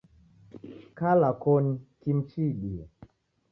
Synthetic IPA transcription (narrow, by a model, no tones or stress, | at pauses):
kalakɔnikim̩t͡ʃiɗiɛ